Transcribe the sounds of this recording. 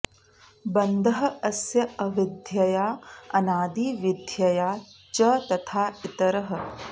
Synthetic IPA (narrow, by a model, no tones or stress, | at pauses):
bɐnd̪ʱɐɦɐ̆ɐsjɐɐʋid̪ʱjɐjaːɐnaːd̪iːʋid̪ʱjɐjaːt͡ʃɐt̪ɐt̪ʰaːit̪ɐɾɐɦɐ̆